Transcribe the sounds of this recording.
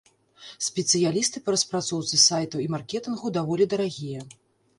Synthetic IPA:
sʲpʲɛt̪sɨjalʲist̪ɨpɐɾɐspɾat̪sɔwt̪sɨsajt̪ɐwimarkʲɛt̪ɨnɣud̪avɔlʲid̪ɐɾaɣʲijɐ

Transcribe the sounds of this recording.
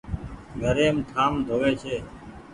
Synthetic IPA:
ɡʱəɾeːmt̪ʰaːmd̪ʱoːʋeːt͡ʃʰeː

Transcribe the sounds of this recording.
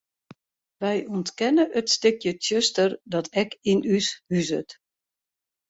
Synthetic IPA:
ʋɛjɔntkɛnəʔətstɪkjətøstərdɔtɛkinyshyzət

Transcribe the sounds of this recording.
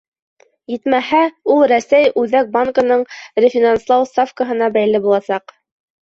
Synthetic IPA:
jɘt̪mæhæulˠɾæsæjʉðæk̚baŋkənɤɴɾʲɪfʲinanslˠɑwst̪afkəɦɤ̆nɑbæjlːɘbulˠɑsɑq

